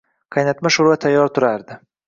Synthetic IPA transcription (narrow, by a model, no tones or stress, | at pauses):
kʰajnat̪maʃʊɾvat̪ʰajːɒɾt̪ʰʊɾaɾd̪ɪ